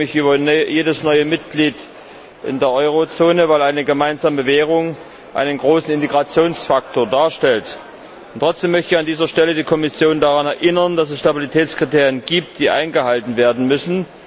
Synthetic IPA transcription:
ɪçʔyːbɐjeːdəsnɔʏəmɪt̚ɡ̥liːt | ʔɪ̰ndeːɐʔɔʏʁ̞ot͡soːnəvaɪlʔaɪnəɡəmaɪnzaːməvɛːʁ̞ʊŋ | ʔa̰ɪnənɡʁoːsn̩ɪnteɡʁat͡sjoːnsfak̚tʰoːɐdaːɐʃtɛlt | ʊntʁ̥ɔt͡sd̥eːmœçtəɪçandiːzɐʃtɛlədiːkʰɔmɪsjoːndaʁanɛɐʔɪnɐndasɛsʃtabilitʰɛːt͡skʁ̥iteːɐjənɡiːp̚t̚d̥iːʔa̰ɪnɡəhaltn̩veːɐdn̩mʏsn̩

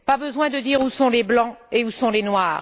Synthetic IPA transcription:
pabəzwɛ̃d̪əd̪iʁusɔ̃leblɑ̃eusɔ̃lenwaːʁ

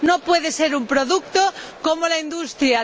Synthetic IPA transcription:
nopweðese̞ɾumpɾoðuk̚t̪okomolaind̪ust̪ɾja

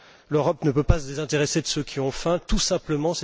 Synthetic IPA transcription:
løʁɔpnəpøpasəd̪ezɛ̃t̪eʁesed̪əsøkʲʰiɔ̃fɛ̃t̪usɛ̃pləmɑ̃sɛ

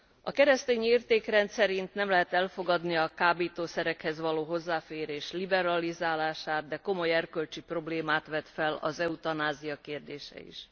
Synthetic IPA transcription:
ɒkɛɾɛst̪eːɲiiːrt̪eːkrɛnt̪sɛɾint̪nɛmlɛɦɛt̪ɛlfo̞ɡɒd̪niɒkaːbeːt̪oːsɛɾɛkhɛzʋɒloːɦozːaːfeːɾeːʃlibɛɾɒlizaːlaːʃaːd̪̚d̪ɛko̞mo̞jɛrkølt͡ʃipro̞bleːmaːt̪ʋɛt̪fɛlɒ̰zɛut̪ɒnaːzijɒkeːrd̪eːʃɛ̰ḭʃ

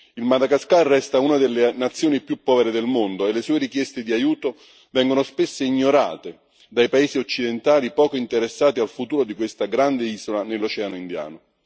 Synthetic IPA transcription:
ilmad̪aɡaskarːɛst̪aunad̪elːenat̪sːjoːnipjupːɔːveɾed̪elmond̪oelːesuːeɾikjɛst̪ed̪iajuːt̪o | vɛŋɡonospesːeiɲːoɾa̰ːt̪e | d̪ajpaeːziot͡ʃːid̪ent̪aːlipɔːkoint̪eɾesːaːt̪ialfut̪uːɾod̪ikwest̪aɡɾand̪eiːzolanelːot͡ʃɛanoind̪ja̰ːno

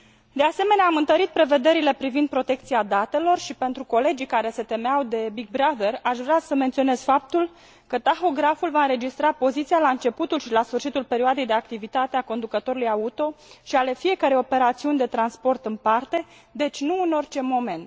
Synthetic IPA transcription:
d̪e̞ase̞me̞neaːmɨnt̪əɾit̪̚pɾe̞ve̞d̪e̞ɾile̞pɾivind̪̚pɾo̞t̪e̞k̚t̪siad̪at̪e̞lo̞rʃipe̞nt̪ɾuko̞le̞d͡ʒijkaɾe̞se̞t̪e̞meawd̪e̞biɡ̚bɾaðe̞raʃvɾeasəment̪sio̞ne̞z̥fap̚t̪ul | kət̪axo̞ɡɾafulvaɨnɾe̞d͡ʒist̪ɾapo̞zit̪sialaɨnt͡ʃe̞put̪ulʃilasfɨrʃit̪ulpe̞ɾioad̪e̞jd̪e̞ak̚t̪ivit̪at̪eako̞nd̪ukət̪o̞ɾulujaut̪o̞ʃiale̞fie̞kaɾejo̞pe̞ɾat̪siunʲd̪e̞t̪ɾanspo̞rt̪ɨnpart̪e̞ | d̪e̞t͡ʃʲnuɨno̞rt͡ʃe̞mo̞me̞nt̪

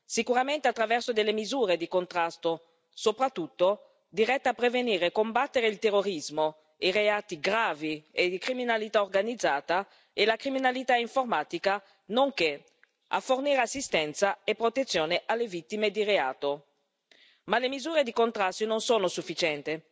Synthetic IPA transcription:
sikuɾament̪eat̪ːɾavɛrsod̪elːemizuːɾed̪ikont̪ɾast̪o | sopɾat̪ːut̪ːo | d̪iɾɛt̪ːapːɾeveniːɾekombat̪ːeɾeilt̪erːoɾizmo | iɾeaːt̪iɡɾaːvied̪ikɾiminalit̪aorɡanid̪zːaːt̪a | elakɾiminalit̪aiɱformaːt̪ika | noŋke | a̰fːorniːɾeasːist̪ɛnt̪saepːɾot̪et̪sːjoːneʔalːevit̪ːimed̪irea̰ːt̪o | malemizuːɾed̪ikont̪ɾast̪ononsoːnosufːit͡ʃɛnt̪e

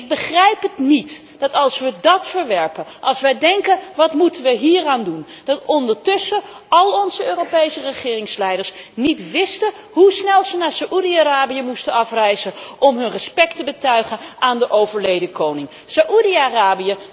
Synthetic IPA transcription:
ɪɡ̚bəχrɛjpɦətnit | d̥ɑtɑlˠsʋədɑtfəɹʋɛɹpənʔɑlˠsʋədɛŋkənʋɑtmutənʋəɦiːraːndun | d̥ɑtɔndəɹtɵsə | ɑlˠɔnzəøːrowpejsərəχɪːrɪŋslɛjdəɹsnitʋɪstə | ɦusnɛlˠzənaːɹsaʔudiaraːbijəmustənɑfrɛjzənʔɔmɦɵnrəspɛktəbətœɥχənaːndəʔowvəɹlejdəkownɪŋ | saʔudiaraːbijə

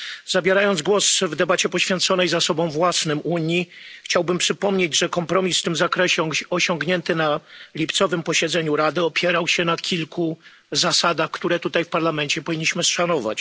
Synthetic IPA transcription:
zabʲjɛɾajɔnd̪zɡwɔsvd̪ɛbat͡ɕɛpɔɕfʲjɛnt̪sɔnɛjzasɔbɔ̃w̃vwasnɘmuɲixt͡ɕawbɘmpʂɘpɔmɲed͡ʑʐɛkɔmpɾɔmʲisft̪ɘmzakɾɛɕɛɔɕɔŋɡɲɛnt̪ɘnalʲipt̪sɔvɘmpɔɕɛd̪zɛɲuɾad̪ɘɔpʲjɛɾawɕɛnakʲilku | zasad̪axkt̪uɾɛt̪ut̪ajfpaɾlamɛnt͡ɕɛpɔvʲiɲːiɕmɘsʂanɔva̰t͡ɕ

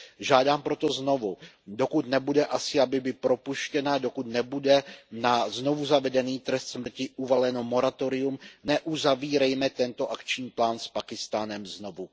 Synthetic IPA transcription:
ʒaːdaːmpɾo̞t̪ozno̞vu | do̞kut̪nɛbudɛʔasɪabɪbɪpɾo̞puʃcɛnado̞kut̪nɛbudɛnazno̞vuzavɛdɛniːt̪ɾɛst̪smr̩cɪʔuvalɛnomo̞ɾat̪oɾɪumnɛʔuzaviːɾɛjmɛt̪ɛnt̪o̞ʔakt͡ʃɲiːplaːnspakɪst̪aːnɛmzno̞vu

